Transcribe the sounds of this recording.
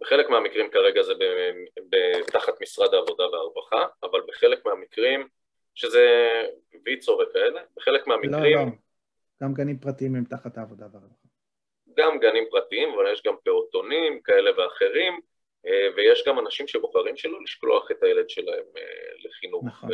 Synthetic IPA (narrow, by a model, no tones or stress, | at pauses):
beχele̞kmeamikʁimkaʁe̞ɡazebebet̪aχat̪misʁad̪aːvo̞d̪aveaʁbaχaːvalbeχe̞lekmeamikʁim | ʃeze̞ | vit͡so̞ʁekae̞le̞beχe̞lekmeamikʁim | ɡ̥amɡanimpʁat̪iimimt̪aχat̪aːvod̪aveaʁbaa | ɡamɡanimpʁat̪iimavaljeʃɡampe̞ot̪o̞nimkae̞le̞veaχe̞ʁim | evejeʃɡamanaʃimʃeboχaʁimʃelo̞liʃklo̞̰aχe̞t̪ajele̞d̪ʃe̞lae̞mḛleχinuχ